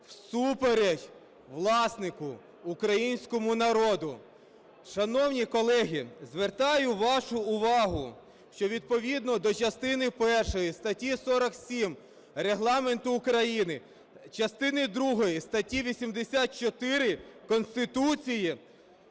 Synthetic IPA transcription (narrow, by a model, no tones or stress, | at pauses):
wsupeɾedʲ | ʋlˠɑsnɪkʊː | kɾɐjinʲsʲkɔmʊnɐɾɔd̪ʊ | ʃɐnɔwnʲikɔlˠɛɦʲizʋert̪ɑjʊʋɑʃʊʊʋɑɦʊ | ʃt͡ʃɔʋʲid̪̚pɔʋʲid̪nɔd̪ɔt͡ʃɐst̪ɪnɪpɛrʃɔjist̪ɐtʲisɔɾɐksʲim | reɦlˠɑment̪ʊːkɾɐjinɪ | t͡ʃɐst̪ɪnɪd̪ɾuɦɔjist̪ɐtʲiʋʲisʲimd̪esʲat̪̚t͡ʃɔt̪ɪɾɪkɔnst̪ɪt̪ut͡sʲiji